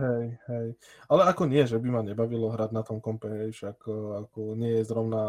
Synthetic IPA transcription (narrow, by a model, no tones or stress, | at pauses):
ɦɛjɦɛjalɛakɔɲɪɛʒɛbimaɲɛbaʋilɔɦɾaɟnat̪ɔmkɔmpɛɦɛjfʃakːakɔɲɪɛjɛzɾɔʊna